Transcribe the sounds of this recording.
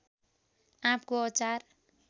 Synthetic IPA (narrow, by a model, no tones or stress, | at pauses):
ãpkoʌt͡sar